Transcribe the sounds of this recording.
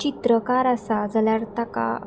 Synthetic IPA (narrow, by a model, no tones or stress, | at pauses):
it̪ɾəkaɾasad͡zaljaɾt̪aka̰